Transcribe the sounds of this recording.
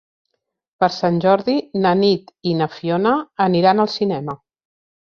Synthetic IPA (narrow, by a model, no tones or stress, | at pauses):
pəɾsanʲʒɔɾðinənit̪inəfionəːniɾanəlˠsinɛmə